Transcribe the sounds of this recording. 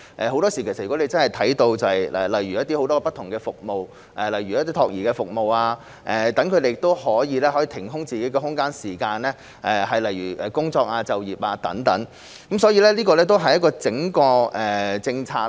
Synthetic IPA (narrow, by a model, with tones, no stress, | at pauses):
ʔɛ˨˩ɦo˨˥wt̪ɔː˥si˨˩kʰe˨˩sɐ˨y˨˩ɔ˨˥ne˧jt͡sɐ˥nhɐ˨˩jt̪ʰɐ˨˥jt̪o˧wt͡sɐ˨hɐ˨˩jɛ̰˨lɐ˨˩jɥyː˨jɐ˥t̪iː˥ho˨˥wt̪ɔː˥pɐ˥t̪ʰːʊ˨˩ŋkɛː˧fʊ˨k̚mo˨˧w | ʔɛː˨lɐ˨jɥyː˨jɐ˥t̪ːiː˥t̪ʰɔː˧k̚jiː˨˩kɛː˧fʊ˨k̚mo˨waː˧ | ʔɛ˨˩t̪ɐ˨˥ŋkʰɵ˨˧d̪e˨jɪ˨˩kt̪o˥whɔː˨˥jiː˨˧lɛː˥hɔ˨˥ji˧t̪ʰɪ˨˩ŋɦʊ˥ŋt͡siː˨ke˨˥jɡɛ˧ɦʊ˥ŋkaː˥nsiː˨˩kaː˧nlɛ˥ | ʔɛː˨ɦɐ˨jlɐ˨jɥyː˨˩ʔɛː˨˩kʊ˥ŋt͡sɔː˧k̚aː˧t͡sɐ˨wjiː˨˩p̚aː˧t̪ɐ˨˥ŋt̪ɐ˨˥ŋ | kɐ˨˥msɔː˨˥jiː˧lɛː˥liː˥kɔː˧lɛː˥t̪̬o˥wɦɐ˨jɐ˥t̚kːɔː˧t͡sɪ˨˥ŋkɔː˧ʔɛ˨˩t͡sɪ˧ŋt͡sʰaː˧